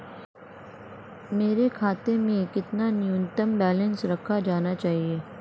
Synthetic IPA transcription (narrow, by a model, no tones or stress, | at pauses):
meːɾekʰaːt̪emẽkɪt̪nanjunt̪əmbɛːlə̃nsɾɐkʰːad͡ʒaːnat͡ʃaːɦieː